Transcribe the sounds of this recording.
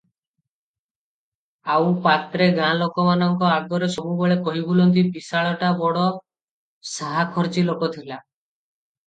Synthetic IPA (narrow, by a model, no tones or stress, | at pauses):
awpat̪ɾeɡãlokɔmanɔŋkɔaɡɔɾesɔbubeɭekɔɦibolɔnt̪̬ipisaɭɔʈabɔɽɔ | saɦakʰɔɾt͡ʃilokɔt̪ʰila